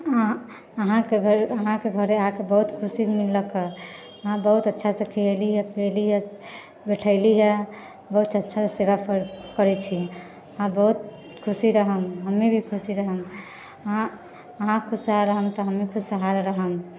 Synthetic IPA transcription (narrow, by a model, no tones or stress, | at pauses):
əɦãkeəɦãkeɡʱəɾeaakebəɦut̪kʰusimilːəke | əɦãbəɦut̪ətːʃʰasəkʰieliɦɛpeliɦɛ | beʈʰəɪliɦɛ | bəɦut̪ʰətːʃʰaseβapʰɾkəɾɛt͡ʃʰi | ɦãbəɦut̪̚ | kʰusiɾəɦəmɦəmːebʱikʰusiɾəɦəm | ɦã | ɦãkʰusɦaɾəɦəmt̪ɔɦəmːekʰusəɦalɾəɦəm